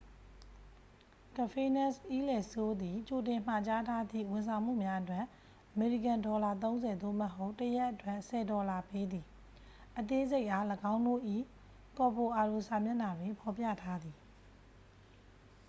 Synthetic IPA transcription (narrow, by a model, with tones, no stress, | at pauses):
kə˨pʰe˦˨nɛ˦˨sʔi˦lɛ˨so˦d̪i˨t͡ɕo˨tɪ̃˨m̥a˨t͡ɕa˦tʰa˦d̪ḭ˦˨wɪ̃˨nsʰã˨ʊ̃m̥ṵ˦˨mja˦ʔətwɛ˦˨ʔ | ʔəme˨ɹi˨kã˨ndɔ˨la˦˨t̪̬õ˦ʊ̃zɛ˨d̪o̰˦˨məɦo˦ʊtːəja˦ʔətwɛ˦˨ʔsɛ˨dɔ˨la˨pe˦d̪i˨ | ʔət̪e˦ze˦ɪʔa˦ləɡã˦ʊ̃ndo̰˦˨ʔḭ˦˨ | kɔ˨po˨ʔa˨lo˨sa˨mjɛ˦˨na˨dwɪ̃˨pʰɔ˨pja̰˦˨tʰa˦d̪i˨